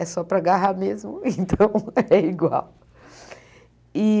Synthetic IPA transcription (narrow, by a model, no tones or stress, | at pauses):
ɛsɔpɾɐɡaɦamezmʊẽnt̪ɐ̃w̃ɛiɡwa̰w | i